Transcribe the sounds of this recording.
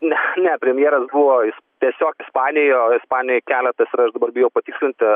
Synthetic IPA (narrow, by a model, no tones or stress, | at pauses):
nʲɛnʲɛpʲɾʲɛmʲjeɛːɾɐsbuʋoːɪst̪ʲiɛsʲoːkɪspɑːnʲɪjoːɪspɑːnʲɪjoːjkʲæːlʲɛt̪ɐsʲɪɾɐʃd̪ɐbɐrbʲɪjɛʊpɐt̪ʲɪːksʲlʲɪnʲt̪ʲɪ